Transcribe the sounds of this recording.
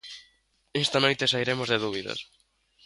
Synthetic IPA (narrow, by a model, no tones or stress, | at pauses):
est̪ɐnojt̪esaiɾemozðeðuβiðɐ̰s